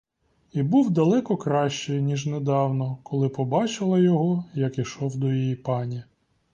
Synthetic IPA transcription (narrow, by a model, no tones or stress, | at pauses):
ibuwd̪ɐlˠɛkɔkɾɑʃt͡ʃɪjnʲiʒned̪ɑwnɔkʰɔlˠɪpɔbɑt͡ʃɪlˠɐjɔɦɔjɐkiʃɔwd̪ɔjijipɑnʲi